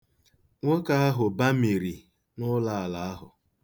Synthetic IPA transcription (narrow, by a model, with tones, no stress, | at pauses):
ŋʷo˦ka˦a˦ɦʊ˨ba˦mi˨ɾi˨ | nʊ˦la˦a˨la˨a˦ɦʊ̰˨